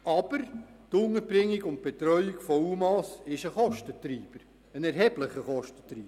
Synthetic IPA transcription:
ʔɑb̥əɾtʊŋəbɾɪŋːiɡʊnt̚b̥et̪ɾœʏikfɔumɑsɪʃəχɔʃtət̪ɾiːb̥əɾ | ənɛɾɦɛb̥lɪχəχɔʃtə̥tɾiːb

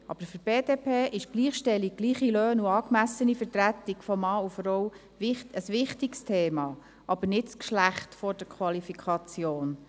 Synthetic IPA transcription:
ʔɑ̰b̥əɾfyɾbeːd̥eːpʰeːʔɪʃɡ̥liːχʃtɛlːiɡ̥̚ɡliːχiløːnuɑːkmæsənifəɾtɾæt̪iɡ̥fɔmɑːufɾɔw | vɪəsʋɪχtikstʰeːmɑ | ʔɑb̥ənɪtskʃlæχtfɔɾd̥əɾkʰwɑlifikʰɑt͡sjoːn

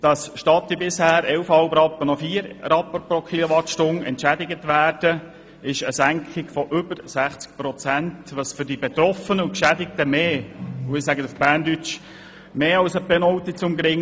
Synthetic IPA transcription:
d̥ɑsʃtɑt̪ibɪshæːɾɛlfhɑlbɾɑpːənɔfiːəɾɾɑpːəpɾɔkʰiloʋɑtʃtʊnɛ̰ntʃæd̪ɪɡət̪ʋæːɾd̥ə | ɪʃəsæŋkʰχɪɡfɔʔʏbəɾsæχt͡sk̚pɾɔt͡sæntʋɑsfʏɾdibɛt̪ɾɔfənəʊkʃædɪk̚t̪əmeːʊɪsæɡətəfb̥æːndyt͡ʃ | meːɑwsəbɛnɔʊt̪it͡sʊmɡɾɪŋ

